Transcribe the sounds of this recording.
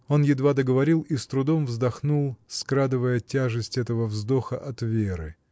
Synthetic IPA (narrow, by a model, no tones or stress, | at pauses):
o̞njɪd̪vad̪əɡəvɐɾʲilˠist̪ɾʊd̪o̞mvzd̪ɐxnulˠskɾad̪ɨvəjətʲaʐɨsʲtʲɛt̪əvəvzd̪o̞xəʔɐt̪vʲeɾɨ